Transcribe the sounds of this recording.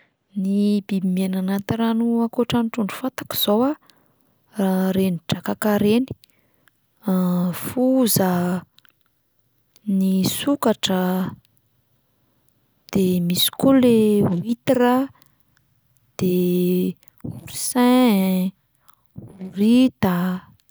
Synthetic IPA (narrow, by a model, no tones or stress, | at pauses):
nibibimenanat̪iɾanuakuʈ͡ʂanʈ͡ʂuɳɖ͡ʐu̥fat̪ḁki̥z̥owa | raɾenid͡ʒakakaɾeni̥ | afuza | nisukaʈ͡ʂə | d̪̥emisi̥kolewit̪iɾa | d̪̥e | uɾisɛ̃ | uuɾit̪a